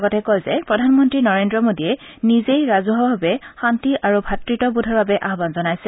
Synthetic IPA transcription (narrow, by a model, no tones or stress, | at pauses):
ɡɔtɛkojzɛpɹɔdʱanmɔntɹinɔɹendɹɔmodiɛ | nizejɹazuɦɔɦabɛxantiʔaɹubʱatɹitɔbudʱɔɹbabɛʔaɦɔbanzɔnajsɛ